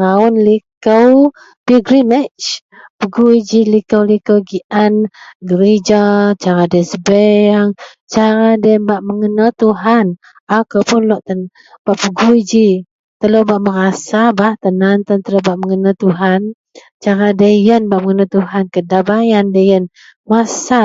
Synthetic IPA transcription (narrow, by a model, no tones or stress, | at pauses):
ɾaʊnlikəw | piɡɾimɛt͡ʃ | pəɡuid͡ʒilikəwlikəwɡiʔanɡəɾid͡ʒat͡ʃaɾadəsəbəaŋ | t͡ʃaɾadəmbaʔməŋənat̪uɦan | akəpʊnlɔʔt̪ən | b̥aʔpəɡuid͡ʒi | t̪əlobaʔməɾasabaht̪ənant̪ənt̪əlobaʔməŋənat̪uɦan | t͡ʃaɾadəjənbaʔməŋənat̪uɦankədabajandəjən | masa